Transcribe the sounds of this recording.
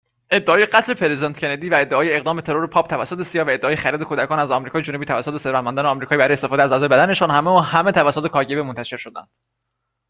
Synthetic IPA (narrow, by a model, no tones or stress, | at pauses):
ʔe̞d̪ːeɒːjeɡæt̪ʰle̞pʰeɾezent̪cʰʲe̞ned̪iːvæe̞d̪ːeɒːjeːɣd̪ɒːmet̪ʰe̞ɾoɾepʰɒːb̥̚t̪ʰævæsːot̪ʰesijɒːhvæe̞d̪ːeɒːjexæɾiːd̪e̞kʰod̪ækʰɒːnæzɒmɾiːkɒːjed͡ʒunubiːt̪ʰævæsːot̪eseɾvæt̪̚mænd̪ːneɒːmɾiːkɒːibæɾɔjest̪efɒːd̪eæzæːzɒːjeæd̪æne̞ʃɔːnhæmeuhæme̞t̪ʰævæsːot̪ekʰɒːɾɟe̞bemont̪æʃe̞ɾʃo̞d̪æ̰nd̪̥